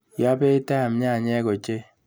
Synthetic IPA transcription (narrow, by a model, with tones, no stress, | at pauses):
ja˦be˦i˦ta˦˨m˦ɲa˦˨ɲɛ˦ko˨t͡ʃe˦